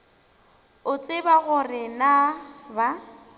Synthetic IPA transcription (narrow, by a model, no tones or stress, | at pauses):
ʊt͡sʼɪbaɣʊrɪnaba